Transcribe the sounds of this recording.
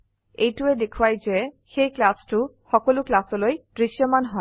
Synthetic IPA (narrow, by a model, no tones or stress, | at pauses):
ejtuɛdekʰuwajzɛ | xejklastʊxɔkɔlʊklasɔlojd̥ɹiʃjɔmanɦɔe